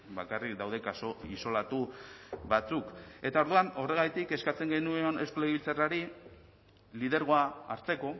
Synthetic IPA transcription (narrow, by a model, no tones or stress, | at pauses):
bakarik̚d̪awðe̞kasoiso̞lat̪uβat͡suke̞t̪ao̞ɾðuano̞re̞ɣ̞ajt̪ike̞skat͡se̞ŋɡe̞nueone̞skolajβilt͡saraɾi | lið̞e̞ɾɣ̞o̞aːɾt͡se̞ko̞